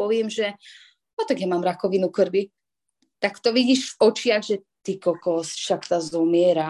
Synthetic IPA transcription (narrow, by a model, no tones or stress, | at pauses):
ɔʋɪɛmʒɛ | ɔt̪aɡjamaːmɾakɔʋinukrbi | t̪akt̪ɔʋiɟiːʃfɔt͡ʃɪaɣʒɛt̪ikɔkɔɦɔsi̥ʃakt̪azɔmɪɛɾa